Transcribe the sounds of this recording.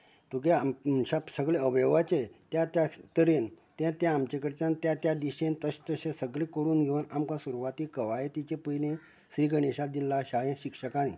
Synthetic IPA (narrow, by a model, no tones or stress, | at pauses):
t̪ukeɕasəɡɭeəʋeʋat͡ɕet̪jat̪jat̪əɾen | t̪jãt̪jãːmt͡ɕekəɾt͡ɕant̪jat̪jad̪iɕẽnt̪əɕt̪əɕẽsəɡɭekəɾuːnɡʱeʋənamkãsuɾuʋat̪ikəʋajet̪it͡ɕepəjne | sɾiɡəɽeɕad̪ilːaɕaɭẽɕikʂəkanḭ